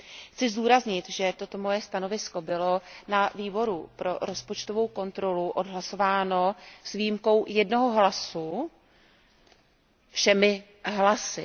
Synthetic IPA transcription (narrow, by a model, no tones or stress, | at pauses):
xt͡sɪzduːɾazɲɪt̪ʒɛt̪o̞t̪o̞mo̞jɛst̪ano̞vɪsko̞bɪlonaviːbo̞ɾupɾo̞̰ɾo̞spo̞t͡ʃt̪o̞vo̞wko̞nt̪ɾo̞luʔo̞dɦlaso̞vaːno̞svijmko̞wjɛdno̞ɦoɦlasu | fʃɛmɪ | ɦlasɪ̰